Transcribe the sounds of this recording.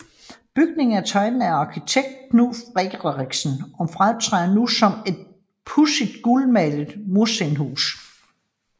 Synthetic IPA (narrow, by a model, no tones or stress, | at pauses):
b̥yɡ̥ne̝ŋ̩æt͡sʰɒ̽ɪnn̩æɑ̈kʰit͡sʰeɡ̥̚d̥̚kʰnufʁeɡ̥ʁʁiɡ̥sn̩ɒ̽fʁat͡sʰʁɛnusɒ̽me̝d̥̚ | pʰusid̥̚ɡ̥ulmæləð̩ˠmuɐsenhṵːs